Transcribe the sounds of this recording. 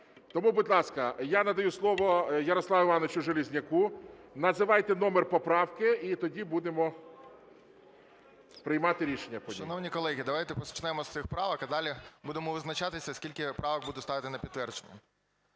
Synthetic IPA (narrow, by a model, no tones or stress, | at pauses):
t̪ɔmubud̪ʲlˠɑskɐjanɐd̪ɐjuslˠɔʋɔjɐɾɔslˠɑʋɪʋɑnet͡ʃʊʒelʲizʲnʲɐkunɐzɪʋɑjt̪enɔmerpɔpɾɑwkɪit̪ɔdʲibud̪emɔ | pɾɪjmɑt̪ɪɾʲiʃenʲːɐpɔdʲinɔwnʲikɔlˠɛɦʲid̪ɐʋajt̪ɛpɔst͡ʃnɛmɔst̪sɪxpɾɑʋɐkɐd̪ɑlʲibud̪emɔʋɪznɐt͡ʃat̪ɪsʲɐskʲilʲkɪpɾɑʋɐɡ̚bud̪ɛst̪ɑʋɪt̪ɪnɐpʲid̪t̪t̪ːʋɛrd͡ʒenʲːɐ